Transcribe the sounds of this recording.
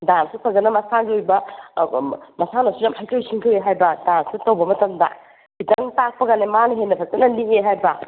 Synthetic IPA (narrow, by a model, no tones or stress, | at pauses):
damsupʰɐzɐnɐmɐsaɡiojbɐ | mɐsanɐsuzamhajtowjsʰiŋkʰɯweɦajbɐdansutɐwbɐmɐtɐmdɐ̰ | b̥itɐŋtak̚pɐɡanemanɐɦenːɐpʰɐk̚tɐnɐliŋeɦajbɐ